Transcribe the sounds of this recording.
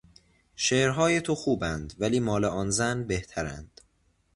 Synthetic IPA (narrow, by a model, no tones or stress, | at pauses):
ʃeːʔɾɦɒːje̞t̪ʰo̞xuːbænd̪væliːmɒːleʔɒːnzænbe̞ht̪ʰæɾæ̰nd̪̥